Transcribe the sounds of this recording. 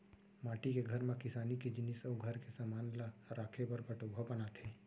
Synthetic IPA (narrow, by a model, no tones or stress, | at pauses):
maːʈikeɡʱɐɾmẽkɪsaːnikid͡ʒɪnisəɡʱəɾkesamaːnlaɾaːkʰepɐɾbəʈoːɡʱɔpənat̪ʰẽː